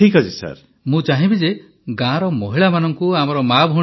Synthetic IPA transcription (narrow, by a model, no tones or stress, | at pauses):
ikad͡ʒisa̰ɾ | mũt͡ʃaɦĩbid͡ʒe | ɡãɾɔmɔɦiɭamanɔŋkuamɔɾɔmabʱɦu